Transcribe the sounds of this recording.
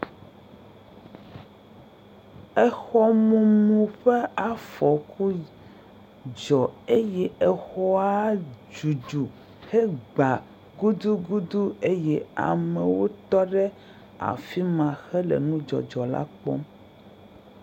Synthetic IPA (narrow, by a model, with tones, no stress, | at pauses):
ɛ˦xɔ˦mũ˦mũ˦ɸe˦a˨fɔ˨ku˦ | d͡ʒɔ˨e˦jɛ˦ɛ˨xɔ˦a˦d͡ʒu˨d͡ʒu˨ | he˦ɡ͡ba˨ | ɡu˦d̪u˦ɡu˦d̪u˦e˦jɛ˦a̰˨mɛ̃˨wo˦t̪ɔ˦ɖɛ˦ | a̰˨fi˦mã˨xɛ˦lɛ̰˨nũ˦d͡ʒɔ̰˨d͡ʒɔ˨la̰˦k͡pɔ̰˦m